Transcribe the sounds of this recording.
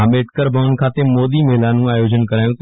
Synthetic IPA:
ameːʈkəɾbʱəʋn̆kʰaːt̪emoːd̪imeɦɪlanũaːjoːd͡ʑənkɐɾaːjũt̪

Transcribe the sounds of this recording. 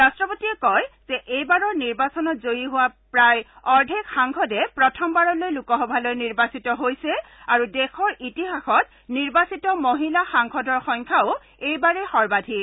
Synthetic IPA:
ɹastɹɔpotiɛkɔjz̥ɛʔejbaɹɔɹniɹbasɔnɔtzojiɦʊwapɹaj | ɔɹdʱikxaŋkʰɔdɛpɹɔtʰɔmbaɹɔlojlukɔɦɔbʱalojniɹbasitɔɦojsɛ | aɹudɛxʰɔɹʔitiɦaxɔt | niɹbasitɔmoɦilaxaŋkʰɔdɔɹxɔŋkʰaʊ | ejbaɹɛxɔɹbadʱi

